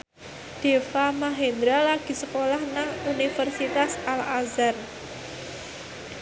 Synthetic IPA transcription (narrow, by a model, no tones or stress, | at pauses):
d̥efamaɦend̪ɾalaɡ̥i̤səkolahnaŋunifərsit̪asalazar